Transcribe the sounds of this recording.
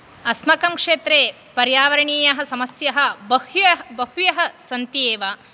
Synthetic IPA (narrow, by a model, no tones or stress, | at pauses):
ɐsmɐkɐmkʂeːt̪ɾeː | pɐɾjaːʋɐɾɐɳiːjɐɦɐsɐmɐsjɐɦɐ̆bɐɦjɐbɐɦujɐɦɐ̆sɐnt̪ieːʋa